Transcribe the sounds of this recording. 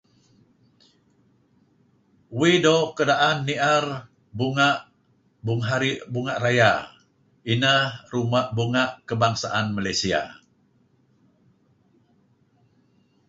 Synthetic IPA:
widokədaʔanːiʔar | buŋaʔ | buŋɦaɾiʔbuŋaʔraja | inəhhrumaʔbuŋaʔkəbaŋsaʔanmalajsia̰

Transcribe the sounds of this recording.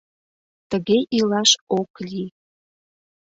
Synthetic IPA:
t̪əɣeʔilɑʃokli

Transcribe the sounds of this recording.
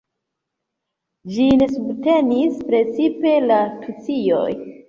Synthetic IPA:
d͡ʒine̞subte̞nispɾe̞t͡sipe̞latʰut͡sijo̞̰j

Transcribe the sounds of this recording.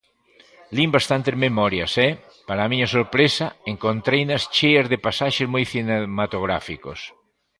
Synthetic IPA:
limbast̪ant̪ezmemɔɾjɐsɛ | paɾamĩɲɐsoɾpɾesɐeŋkont̪ɾejnɐst͡ʃejɐzðepasaʃezmojθinemat̪oɣɾa̰fiko̰s

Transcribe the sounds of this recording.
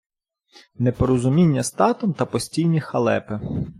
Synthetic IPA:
nepɔɾɔzʊmʲinʲːɐst̪ɑt̪ɔmt̪ɐpɔsʲtʲijnʲixɐlˠɛ̰pɪ

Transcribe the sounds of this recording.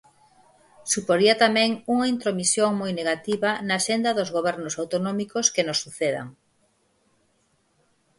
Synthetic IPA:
supoɾiɐt̪amɛ̃ŋuŋɐint̪ɾomisjoŋmojneɣat̪iβɐnaːʃend̪ɐðʊzɣoβɛɾnʊsawt̪onɔmikoskenosːuθeðɐ̰ŋ

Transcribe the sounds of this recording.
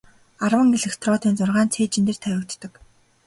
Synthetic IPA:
arwə̆ŋɡeɮɘ̆xt̪ʰrɔːt̪iːnt͡sʊrʁaːnt͡sʰeːt͡ɕĭnt̪ɘ̆r̥t̪ʰæjʲʊkt̪t̪ə̆k

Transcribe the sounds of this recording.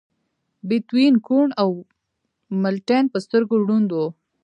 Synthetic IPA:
bɪt̪winkuɳaw | malʈenpəst̪əɾɡoɖund̪o

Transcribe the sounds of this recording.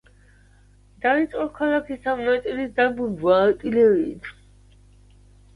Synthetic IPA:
d̪̥ait̪sʼqʼɔkʰalakʰisamnat̪sʼilisd̪abulbwaːt̪ʼilɛɾiːt̪ʰ

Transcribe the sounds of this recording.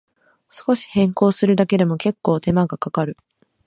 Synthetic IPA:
sɨ̥ko̞ɕi̥hẽ̞ŋko̞ːsɨɾɯ̟d̪ake̞d̪e̞mo̞ke̞kːo̞ːt̪e̞maɡakakaɾɯ̟

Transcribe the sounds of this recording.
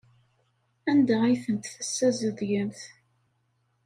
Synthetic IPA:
ænd̪æajθənt̪θəsːæzəðʝəmθ

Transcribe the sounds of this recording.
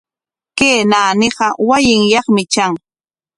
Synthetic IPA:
keːnaːnɪɢɑwajɪŋjɑχmɪt͡ʃaŋ

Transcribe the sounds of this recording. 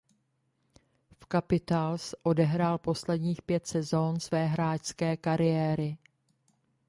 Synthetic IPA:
fkapɪt̪alsʔo̞dɛɦɾaːlpo̞slɛdɲiːxpjɛt̪sɛzo̞nsvɛːɦɾaːcskɛːkaɾɪjɛːɾɪ

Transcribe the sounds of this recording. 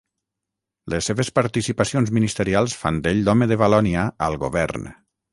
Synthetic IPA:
lesːeβespaɾt̪isipasionzminist̪əɾialˠsfa̰nd̪eʎd̪ɔmeðəβalɔniaəlˠɣoβɛ̰ɾn

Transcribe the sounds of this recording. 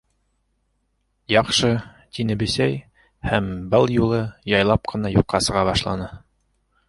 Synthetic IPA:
jɑqʃɤ | t̪inɘ̆bɘ̆sæj | hæmbɤlˠjulˠɤjɑjlˠɑp̚qɤ̆nɑjuqːɑsɤ̆ʁɑbɑʃlˠɑ̰nɤ

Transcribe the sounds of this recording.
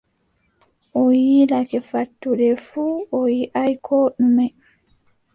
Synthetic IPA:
ʔɔjiːlakɛfatːuɗɛfuːɔjiʔajkʰoːɗumɛ

